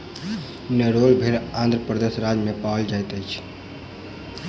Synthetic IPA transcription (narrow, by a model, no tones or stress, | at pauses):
nəɾolbʱelãnd̪ɾəpɾəd̪esɾad͡ʒmepaəld͡ʒajt̪əjt͡ʃʰ